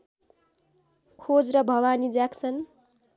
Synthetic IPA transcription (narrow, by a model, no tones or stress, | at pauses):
kʰod͡zɾʌbʱʌwanid͡zakt͡sʰʌn